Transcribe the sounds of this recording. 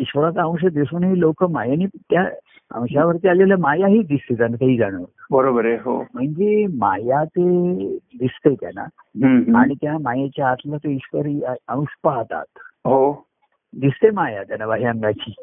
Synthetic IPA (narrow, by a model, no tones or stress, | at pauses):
iɕʋəɾat͡s̪ãw̃ɕ̬əd̪isunɦiːlokəmajañit̪ja | ã̰w̃ɕaʋəɾt̪ialelamajaɦiːd̪ist̪et̪anat̪əɦiːd͡zaɽ̃əʋlbəɾobəɾeɦo̰m̤əɳd͡zema̰jat̪ed̪ist̪et̪ja̰na̰ | ɦa̰ɽ̃it̪jamajat͡ɕjaːt̪lat̪oiɕʋəɾiə̃ũʂpaɦt̪a̰t̪ɦo | d̪ist̪emajat̪janaʋaɦijãŋɡat͡ɕiː